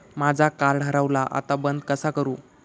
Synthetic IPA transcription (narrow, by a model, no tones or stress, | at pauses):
mad͡zʱakaɾɖʱəɾaʋlaʔa̰t̪abənd̪kəsakəɾuː